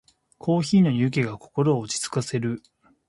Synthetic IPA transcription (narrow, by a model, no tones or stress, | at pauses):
kʰo̞ːçiːno̞ɲʲɯːk̬ʲeɡako̞̥ko̞ɾo̞ːt͡ɕi̥t͡sɨ̥kase̞ɾɯ̟